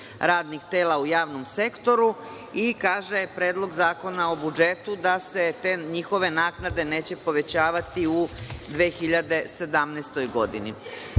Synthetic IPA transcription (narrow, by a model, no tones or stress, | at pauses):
ɾaːd̪nixt̪e̞ːlaujaːʋno̞mse̞kt̪o̞ɾu | ikaːʒe̞pɾeːd̪lˠo̞ɡzaːko̞naobud͡ʒe̞t̪ud̪ase̞t̪eɲixo̞ʋe̞naːknad̪e̞ne̞ːt͡ɕe̞po̞ʋe̞t͡ɕaːʋat̪iud̪ʋeːxiʎad̪e̞se̞d̪amneːst̪o̞jɡo̞d̪ḭnḭ